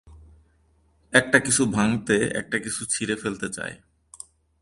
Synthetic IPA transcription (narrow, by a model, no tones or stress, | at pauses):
ɛk̚ʈakit͡ɕʰubʱaŋt̪eɛ̰k̚ʈakit͡ɕʰut͡ɕʰiɾefelt̪et͡ɕa̰e